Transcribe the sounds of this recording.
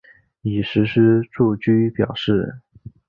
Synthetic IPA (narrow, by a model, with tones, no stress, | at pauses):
i˨˩ʂɻ̩˧˥ʂɻ̩˥ʈ͡ʂu˥˩t͡ɕy˥pjɑ̰˨˩ʊʂɻ̩˥˩